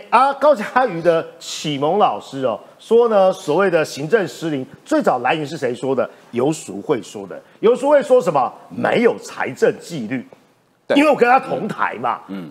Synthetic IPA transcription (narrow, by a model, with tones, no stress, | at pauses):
a˦kɑ˥ʊt͡ɕaa˥y˨˥d̪ə˧t͡ɕʰi˨˩mo˧˥ŋlɑ˨˩ʊʂɻ̩˥ɐ˨˩ | ʂwɔ˥nə˧swɔ˨˩we˥˩ɪd̪ə˩ɕi˧˥ŋʈ͡ʂə˥˧ŋʂ̩˥li˧˥˦ŋt͡swe˥˩ɪt͡sɑ˨˩ʊla˧˥ɪi˧˥ŋʂ̬ɻ̩˥˩ʂe˧˥ɪʂwɔ˥d̪ə˨ | jo˧˥ʊsu˧˥xwe˥˩ɪʂwɔ̰˥d̪ə̰˨ | jo˧˥ʊʂu˧˥xwe˥˩ɪʂwɔ˥ʂ̬ə˧˦nmə˨mḛ˧˥ɪjo˨˩ʊt͡sʰa̰˧˥ɪʈ͡ʂə˥˧nt͡ɕi˥˧ly˥˨˩ | i˥nwe˥˩wɔ˨kə˥nʰa˥t̪ʰʊ˧˥ŋt̪ʰa̰˧˥ɪmɐ̰˨